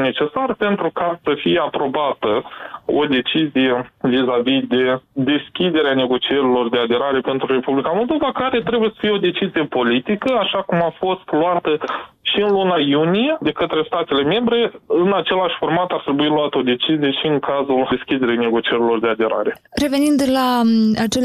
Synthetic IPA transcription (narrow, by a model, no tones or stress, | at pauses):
ne̞t͡ʃe̞sarpe̞nt̪ɾukasəfijeapɾo̞bat̪əo̞̰d̪e̞t͡ʃizije̞vizavid̪e̞d̪e̞skʲid̪e̞ɾeane̞ɡo̞t͡ʃieɾilo̞rd̪e̞ad̪e̞ɾaɾe̞pe̞nt̪ɾure̞publikamo̞lˠd̪o̞vakaɾe̞t̪ɾe̞bujesə̥fijeo̞d̪e̞t͡ʃizije̞po̞lit̪ikəaʃakumafo̞st̪lwat̪ə | ʃiɨnlunajunije̞d̪e̞kət̪ɾe̞st̪at̪e̞le̞me̞mbɾe̞ɨnat͡ʃe̞laʃʲformat̪art̪ɾe̞builuat̪əo̞d̪e̞t͡ʃizije̞ʃiɨŋkazuleskʲid̪e̞ɾijne̞ɡo̞t͡ʃie̞ɾilo̞rd̪e̞ad̪e̞ɾa̰ɾe̞ | ɾe̞ve̞nind̪laat͡ʃe